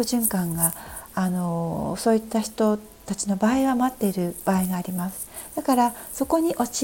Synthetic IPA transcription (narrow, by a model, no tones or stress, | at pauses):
ɯʑɨ̃ŋkãŋɡaːno̞so̞ːit̪ːaçi̥t̪o̞ | t̪at͡ɕino̞baːiβamat̪ːe̞iɾɯ̟b̥aːiɡaːɾʲimasɨ̥d̪̥akaɾaso̞ko̞ɲ̟iʔo̞t͡ɕ